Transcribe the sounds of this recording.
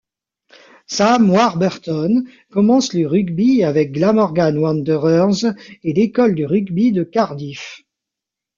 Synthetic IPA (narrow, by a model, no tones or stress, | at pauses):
samwaʁbɛʁt̪ɔn | kɔmɑ̃sləʁyɡbiavɛk̚ɡlamɔʁɡanwɑ̃nd̪əʁœʁzelekɔld̪yʁyɡbid̪əkaʁd̪if